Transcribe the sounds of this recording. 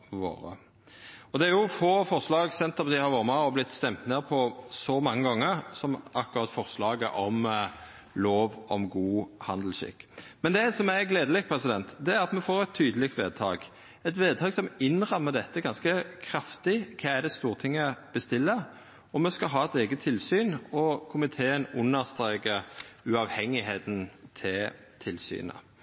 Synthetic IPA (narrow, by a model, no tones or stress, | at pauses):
ʋo̰ːɾə̰ | ɔd̪ɛæɾjʊfoːfɔʁslɑːɡsɛnt̪ːɑpd̪ɪhɑɾʋɑːɾəmɛɔblɪt̪ːst̪ɛmt̪neːʁpʰɔsɔmɑŋːəɡɑŋːəɾsɔmɑkːʊɾɑt̪ːfɔʁslɑːɡəʔɔm | loːʋɔ̰mɡuːhɑnd̪l̩ʃɪ̰kːmɛnd̪ɛsɔmæɡleːd̪əlɪk̚pʰɾɛsɪd̪ɛnt̪d̪ɛæɾʁɑt̪mɛfoːɾɛt̪ʰːyːd̪əlɪkt̪ʋḛːd̪̚t̪ʰɑ̰ːɡ | ɛt̪ʋeːd̪̚t̪ʰɑːɡsɔmɪnʁɑmːəd̪ɛt̪ːəɡɑnskəkʰɾɑft̪ɪkʰɑæɖ̪ɛst̪uːʁt̪ʰɪŋːəb̥əst̪ɪlːə | ɔmɛskɑɦɑːɛt̪ɛːɡət̪ʰːɪlsyːnɔkʰʊmɪt̪ʰeːənʉnːəʁst̪ɾeːkəɾʉɑʋhɛŋːɪɦeːt̪n̩t̪ʰɪl | t̪ʰɪlsy̰ːnə̰